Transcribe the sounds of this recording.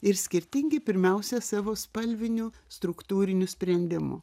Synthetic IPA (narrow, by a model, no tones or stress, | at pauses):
ɪɾsʲkʲɪɾʲt̪ʲɪŋʲɡʲɪpʲɪɾʲmʲɛʊsʲɛsɑːʋoːspɐlʲʋʲɪnʲʊst̪ɾʊkt̪uːɾʲɪnʲʊsʲpʲɾʲɛnʲd̪ʲɪmʊ̰